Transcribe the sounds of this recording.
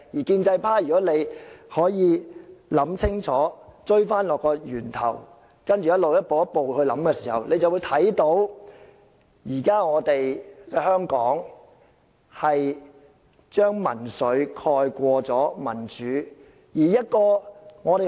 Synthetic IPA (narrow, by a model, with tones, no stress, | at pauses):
jiː˨˩kiː˧nt͡sɐ˧jpʰaː˥jy˨kɔː˨˥le˨˧jhɔː˨˥jiː˨˧lɐ˨˥mt͡sʰɪ˥ŋt͡ʃʰɔː˨˥t͡ʃɵ˥ɥfaː˥nlɔː˨kːɔː˧jyː˨˩nt̪ʰɐ̰˨˩w | kɐ˥nt͡ʃyː˨˧jɐ˥t̚lo˨wjɐ˥t̚po˨wjɐ˥t̚po˨whɵ˧ɥlɐ˨˥mkɛː˧siː˨˩hɐ̰˨wle˨˧jt͡sɐ˨wu˨˧jt̪ʰɐ˨˥jt̪o˨˥w | jiː˨˩kaː˥ŋɔː˨˧t̪e˨jkɛː˧hœː˥ŋkɔː˨˥ŋ | hɐ˨j | t͡ʃœː˥ŋmɐ̰˨˩nsɵ˨˧˥ɥkʰɔː˧jkʷɔː˧t͡sɔː˨˥mɐ˨˩nt͡ʃyː˨˥ | jiː˨˩jɐ˥t̚kɔː˧ŋɔː˨˧t̪e˨